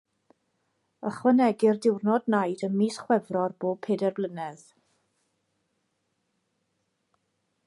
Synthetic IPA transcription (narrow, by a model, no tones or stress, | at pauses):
əχwənɛɡɪrdɪwrnɔdnajdənmiːsχwɛvrɔrboːb̚pʰeːdɛrblˠənɛð